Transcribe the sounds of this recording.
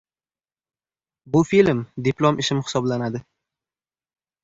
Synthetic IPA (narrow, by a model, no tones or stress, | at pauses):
bʊfilmd̪ɪplˠomʔɪʃɪmhɪ̥sɒblanad̪ɪ